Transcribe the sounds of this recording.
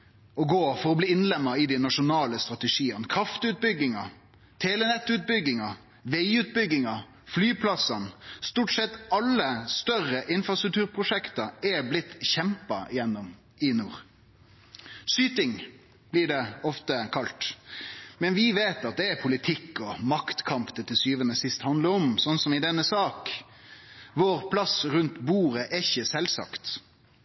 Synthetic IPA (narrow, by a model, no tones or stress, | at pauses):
ɔɡoːfɔɾɔbliːɪnlɛmːəɪd̪ɪnɑʂʊnɑːləst̪ɾʁɑt̪ɛʂiːənkʰɾɑft̪ʉt̪̚bʏɡːɪŋɑ | t̪ʰeːlɛnɛt̪ːʉːt̪̚bʏɡːɪŋɑ | ʋeɪʉːt̪̚bʏɡɪŋɑ | flyːpʰlɑsɑnst̪uːʈsɛt̪ːɑlːəst̪œɾəʔɪnfɾɑst̪ɾʉk̚t̪ʰʉːɾpʰʁʊʂɛkt̪ɑɛblɪt̪ːçɛmpɑɪjɛnːɔm | ɪnuːɾ | syːt̪ɪŋ | b̥lɪːɖɛɔft̪əkʰɑlt̪ | mɛnʋɪʋeːt̪ɑt̪̚d̪ɛɛpʰʊlɪt̪ʰɪkːɔmɑkt̪kʰɑmpd̪ɛt̪ʰɪsyːʋənəsɪst̪hɑnd̪ləɾɔmsɔnsɔmɪd̪ɛnːəsɑːk | ʋoːɾpʰlɑsɾʉnt̪buːɾəʔɛɪçːəsɛlsɑ̰kt̪